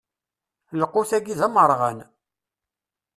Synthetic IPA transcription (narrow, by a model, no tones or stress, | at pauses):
ləqːʊθæɡiðæməɾˤʁə̰n